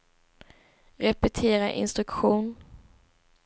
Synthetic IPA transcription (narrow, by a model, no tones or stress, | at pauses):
ɾɛpɛt̪ʰeːɾaʔɪ̰nst̪ɾɵkɧuːn